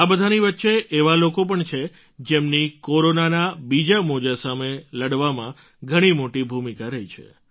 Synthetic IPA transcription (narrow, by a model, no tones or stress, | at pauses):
abəd̪ʱaniʋətːʃeʔeʋalokop̬əɳt͡ʃʰe | d͡ʒemnikoɾonanabid͡ʒamod͡ʒasameləɽʋamã | ɡʱəɽ̃imoʈibʱumikaɾəit͡ʃʰḛ